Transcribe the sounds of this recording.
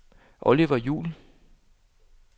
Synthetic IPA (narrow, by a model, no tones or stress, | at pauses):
ʔɔliʋɐjṵːl